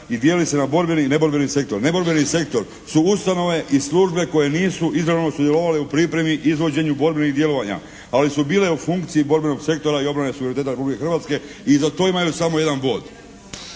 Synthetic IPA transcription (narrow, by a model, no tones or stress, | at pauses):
id̪jelise̞nabo̞ɾbenine̞bo̞ɾbenise̞k̚t̪o̞ɾne̞bo̞ɾbenise̞k̚t̪o̞ɾ | suust̪ano̞ʋe̞ʔisluʒbe̞ko̞je̞niːsuʔizɾano̞sud̪jelo̞ʋale̞upɾipɾe̞miʔizʋo̞d͡ʑe̞ɲubo̞ɾbeniɣd̪je̞lo̞ʋaɲa̰ | alisubiːleufuŋkt̪siibo̞ɾbeno̞ɡse̞k̚t̪o̞ɾaio̞bɾane̞sueɾnit̪et̪aɾpublikexrʋat̪ske̞izat̪o̞ːimajusamoje̞d̪anbo̞ːd̪